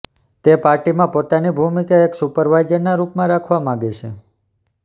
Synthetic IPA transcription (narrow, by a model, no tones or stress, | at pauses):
t̪epaɾʈimãpot̪anibʱumikaeksupəɾʋajd͡ʒəɾnaɾupmãɾakʰʋamãɡet͡ʃʰḛ